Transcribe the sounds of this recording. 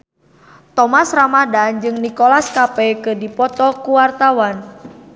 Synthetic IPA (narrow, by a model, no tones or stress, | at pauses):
t̪ɔmasramadand͡ʒɨŋnikolaskapɛkɨdipɔt̪ɔkuwart̪awan